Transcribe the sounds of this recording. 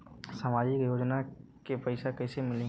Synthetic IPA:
saːmaːd͡ʒɪkjoːd͡ʒnakepɐɪsakɐɪsemɪlẽ

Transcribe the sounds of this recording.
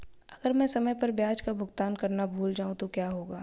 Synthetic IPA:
ɐɡəɾmɛ̃sɐməjpɐɾbjaːd͡ʒkabʱʊɡt̪aːnkɐɾnabʱuːld͡ʒaːũt̪okjaːɦoːɡaː

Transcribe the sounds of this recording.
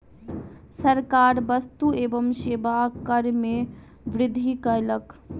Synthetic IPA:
səɾkaɾbəst̪uebəmʃebakəɾme | ʋɾɪd̪ʱikəjlək

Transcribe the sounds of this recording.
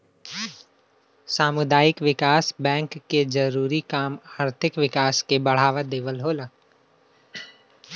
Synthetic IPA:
saːmʊd̪aːjɪkʋɪkaːsbɛ̃ːŋkːed͡ʒɐɾuːɾikaːmaːɾt̪ʰɪkʋɪkaːskebɐɽ̤aːʋad̪eːʋəlɦoːlaː

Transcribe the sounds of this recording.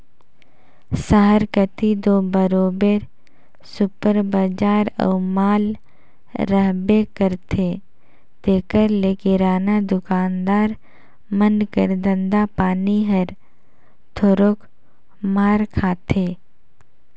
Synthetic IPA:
səɦəɾkət̪id̪oːbəɾoːbeːɾ | sʊpəɾbəd͡ʒaːɾə̰ʊmaːlː | əɦbekəɾt̪ʰe | t̪eːkəɾleːkɪɾaːnad̪ʊkaːnd̪aːɾ | mənkəɾd̪ə̃nd̪apaːniɦəɾ | t̪ʰoːɾoːk | maːɾkʰaːt̪ʰeː

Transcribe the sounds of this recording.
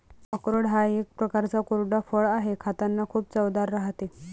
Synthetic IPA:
əkɾəɽɦajek̚pɾəkaɾt͡sakoɾɖafəɭaɦekʰat̪anːakʰuːpt͡səʋd̪aɾːaɦt̪e

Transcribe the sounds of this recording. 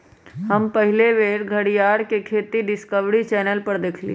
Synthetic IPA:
ɦəmpəɦɪleʋeːɾɡʱəɽijaːɽkekʰeːt̪iɖɪskəʋɽit͡ʃɛːnəlpəɾd̪eːkʰlḭ

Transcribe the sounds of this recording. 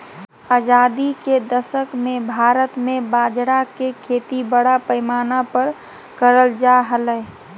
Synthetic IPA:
ad͡ʒaːd̪iked̪əsəkmẽbʱaːɾət̪mẽbaːd͡ʒɽakekʰeːt̪ibəɽapəɪmaːnapəɾ | kəɾəld͡ʒaɦələ

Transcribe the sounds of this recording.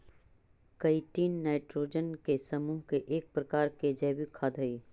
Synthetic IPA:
kɐiʈiːnːaːɪʈɾoːd͡ʒənkesɐmuːɦkeʔeːk̚pɾɐkaːɾked͡ʒɐːʋikʰaːd̪ɦɐiː

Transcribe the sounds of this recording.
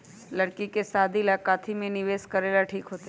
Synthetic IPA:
ləɽkikesaːd̪ʱilaːkaːt̪ʰimẽnɪʋeːskəɾeːlaʈʰiːkɦoːt̪a

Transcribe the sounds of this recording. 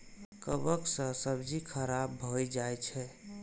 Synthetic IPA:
kəbəksə̃səbd͡ʒikʰəɾabːʱɔjd͡ʒajt͡ʃʰɛ

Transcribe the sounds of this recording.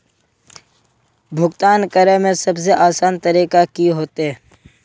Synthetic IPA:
bʱʊɡt̪aːnkəɾəmẽsɐbs̬eʔaːsaːnt̪əɾiːkakiɦoːt̪ɦɛː

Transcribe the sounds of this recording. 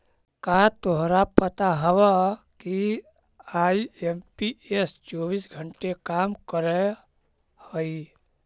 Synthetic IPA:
kat̪oɦɾapət̪aɦəwəki | aiempiest͡ʃobisɡʱəɳʈekamkəɾɛ | hoi

